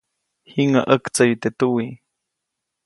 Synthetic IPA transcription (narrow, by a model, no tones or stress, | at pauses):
hiŋa̰ʔəkt͡səjut̪et̪uwi